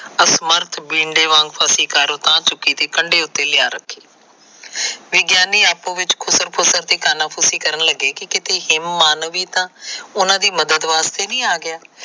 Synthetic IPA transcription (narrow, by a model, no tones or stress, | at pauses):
əsməɾt̪ʰbĩːɳɖeːʋãːŋɡpʰaːsiːkaːɾoːt̪ãːt͡ʃʊkːiːt̪eːkəɳɖeːʊt̪ːeːlɪjaːɾəkʰːiː | ʋɪɡjaːniːaːpõːʋɪt͡ʃkʰʊsəɾpʰʊsəɾt̪iːkaːnãːpʰʊsiːkəɾənləɡːeːkɪkɪt̪eːɦɪmːaːnʋiːt̪ãːʊnãːd̪iːməd̪əd̪ʋaːst̪eːnĩːaːɡɪjaː